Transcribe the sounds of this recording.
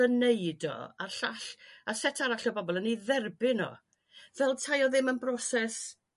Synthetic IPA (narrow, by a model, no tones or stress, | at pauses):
əneɨdɔ̰a̰ɬaɬasɛtʰaɾaɬɔbɔbɔlˠəniðɛrbɪnɔ̰ | vɛlˠtʰajɔðɪmənbrɔsɛs